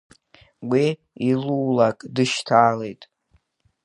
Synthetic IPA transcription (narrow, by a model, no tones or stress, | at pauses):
wi | iluːlakʼdɨʃtʰaːle̞jtʼ